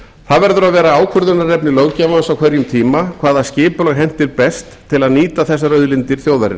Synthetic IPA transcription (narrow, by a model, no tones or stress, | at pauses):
θaðvɛɾðʏɾaðvɛːɾaaːwkʰvœɾðʏnːaɾːɛpnɪlowcaːmansawkʰvɛɾjʏmt̪ʰiːmakʰv̥aːðascɪːpʏlɔɣɦɛn̥t̪ːɪɾpɛst̪ʰːɪlaðniːt̪aθɛsːaɾœɥðlɪnt̪ɪɾ̥θjoːwðaɾɪ̰n